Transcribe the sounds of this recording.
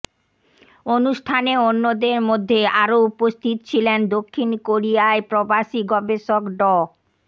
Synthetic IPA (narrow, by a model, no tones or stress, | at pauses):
onuʃʈʰaneonːod̪eɾmod̪ʱːeaɾoupost̪ʰit̪ot͡ɕʰilend̪okʰːinkoɾijaepɾobaʃiɡɔbeʃokɖɔ